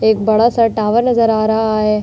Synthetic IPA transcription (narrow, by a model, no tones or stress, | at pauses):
eːk̚bɐɽasaʈaːʋəɾnɐzəɾaːɾɐɦaɦeː